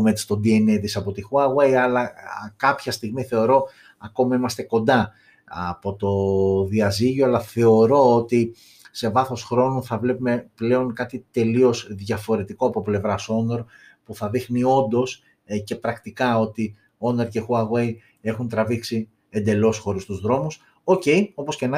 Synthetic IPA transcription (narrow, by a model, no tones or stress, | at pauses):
met͡s̪i̥st̪o̞d̪ie̞neðisɐpo̞t̪ixuɐɣwejɐlɐkɐpçɐst̪iɣmiθe̞o̞ɾo̞ | ɐko̞mɐimɐst̪e̞ko̞nd̪ɐ | ɐpo̞t̪o̞ðiɐziʝoɐlɐθe̞o̞ɾo̞ot̪i | se̞vɐθo̞sxɾo̞nuθɐvle̞pume̞ple̞o̞ŋkɐt̪it̪e̞lio̞sðʝɐfo̞ɾe̞t̪iko̞ɐpo̞ple̞vɾɐso̞no̞ɾpuθɐðixnio̞nd̪o̞s | ce̞pɾɐkt̪ikɐo̞t̪i | o̞no̞ɾce̞xuɐɣwej | e̞xunt̪ɾɐviksi | e̞nd̪e̞lo̞sxo̞ɾist̪uzðɾo̞mus | o̞ce̞jopo̞sce̞nɐ